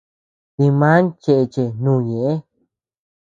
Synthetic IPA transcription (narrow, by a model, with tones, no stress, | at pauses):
t̪i˧mã˦nt͡ʃe˧ʔe˧t͡ʃe˧nũː˦˧˦ɲẽ˨ʔe˦